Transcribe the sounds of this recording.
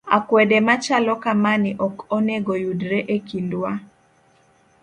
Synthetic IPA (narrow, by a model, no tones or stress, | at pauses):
akwɛdɛmat͡ʃalɔkamanɪʔɔkɔnɛɡɔjudɾɛʔekindwa